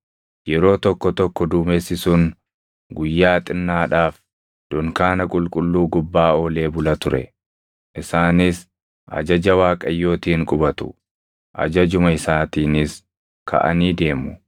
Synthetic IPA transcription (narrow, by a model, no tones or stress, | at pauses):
jɛɾo̞ːt̪ɔkːɔt̪ɔkːɔd̪uːmesɪsʊŋ | ɡʊjːaːt̪ʼɪnːaːᶑaːf | d̪̥ɔŋkaːnɐkʼʊlkʼʊlːuːɡʊbːaːoːle̞ːbʊlɐt̪ʊɾɛ̰ | ʔɪsaːnɪs | ʔɐ̰d͡ʒɐd͡ʒɐwaːkʼɐjːo̞ːt̪iːŋkʼʊbɐt̪ʊ̥̰ | ʔɐ̰d͡ʒɐd͡ʒʊmɐɪsaːt̪iːnɪs | kʰɐ̰ʔɐ̰niːd̪e̞ːmʊ